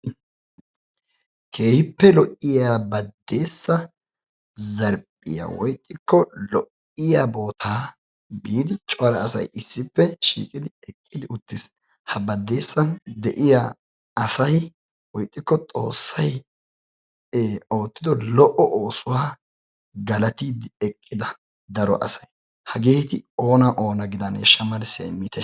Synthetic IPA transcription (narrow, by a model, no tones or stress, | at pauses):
kʰe̞ːhɪpːɛlɔʔːɪjaːbɐd̪ːe̞ːsːɐ | zɐɾpʼːɪ̰ja̰wɔjkʼːɪkːɔlɔʔ | ɪjaːbo̞ːt̪ʰaː | biːd̪ɪt͡ʃʼɔɐɾɐːsɐ̰jʔɪsːɪpːɛʃḭːkʼɪd̪ɪɛkʼːɪd̪ɪʊt̪ːɪs | hɐbɐd̪ːe̞ːsːɐnd̪ɛʔɪja | ɐsɐj | wɔjkʼːɪkːɔt̪ʼo̞̰ːsːɐj | o̞ːt̪ːɪd̪ɔlɔʔɔʔoːsʊwaː | ɡɐlɐt̪iːd̪ɪɛkʼːɪd̪ɐ | d̪ɐɾɔ̰ʔɐ̰sɐ̥j | hɐɡeːt̪ɪo̞ːnɐʔo̞ːnɐɡɪd̪ɐnḛʃɐmɐlsḛːmːɪt̪ʰɛ